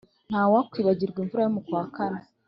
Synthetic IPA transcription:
n̥haːwakwiːβaɟiɾɡwiːɱvuɾajomukwaːkana

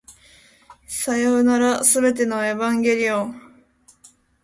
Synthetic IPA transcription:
sajoːnaɾasɨbe̞t̪̬e̞no̞e̞βãŋɡʲe̞ɾʲiõŋ

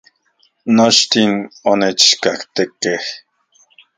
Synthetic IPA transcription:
not͡ʃt̪inonet͡ʃkakt̪ekeh

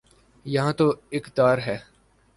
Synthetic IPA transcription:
jɐɦãːt̪oɪkd̪aːɾɦɛː

